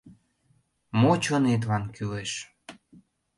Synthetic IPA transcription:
mot͡ɕonet̪̬βɑnkyleʃ

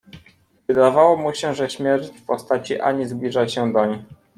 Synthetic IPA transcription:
vɘd̪avawɔmuɕɛʐɛɕmʲjɛfpɔst̪at͡ɕiʔa̰ɲizblʲiʐat͡ɕɕɛd̪aɲ

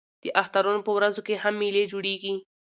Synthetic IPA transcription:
d̪̥əʔaxt̪aɾunopəwɾazokehamːiled͡ʒoɽeɡi

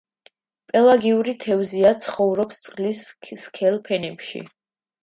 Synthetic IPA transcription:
pʼɛlˠaɡiuɾit̪ʰɛvziat̪sʰχɔvɾɔpst̪sʼqʼlisskʰɛlˠpʰɛnɛpʃḭ

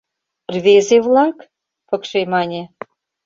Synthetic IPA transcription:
rβezeβlɑk | pə̆kʃemɑnʲe

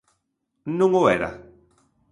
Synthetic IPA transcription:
nũŋoeɾa̰

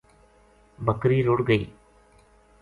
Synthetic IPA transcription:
bɐkɾiɾoːɽɡɐɪ

